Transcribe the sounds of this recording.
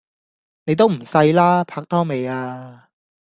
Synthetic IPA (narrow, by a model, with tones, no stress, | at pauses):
ne˨˧jt̪̬o˥wm̩˨˩sɐ˧jlaː˥pʰaː˧k̚t̪ʰɔː˥ŋme˨jaː˧